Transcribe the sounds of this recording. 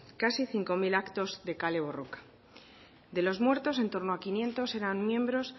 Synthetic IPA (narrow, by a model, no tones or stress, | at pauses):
kasiθiŋko̞milakt̪o̞zd̪e̞kale̞β̞o̞rokḁ | d̪e̞lo̞zmwe̞ɾt̪o̞se̞nt̪o̞ɾnoakinje̞nt̪o̞se̞ɾammjẽ̞mbɾo̞s